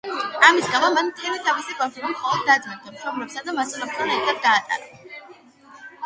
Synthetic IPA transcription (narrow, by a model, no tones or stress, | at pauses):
amisɡamamant̪ʰɛmit̪ʰavisikʼɔnpimimχɔlˠɔd̪̚ːad̪mɛnt̪ʰamʃʰɔmlɛpsad̪amat̪sʼɛnɔp̚t̪ʰanɛɾt̪ʰab̚d̪aːt̪ʼa̰ɾa